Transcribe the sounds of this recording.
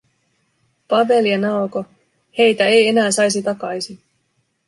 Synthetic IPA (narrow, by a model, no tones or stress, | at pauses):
pɑʋe̞liɑnɑoko | he̞jt̪æeje̞næːsɑjs̬it̪ɑkɑjsin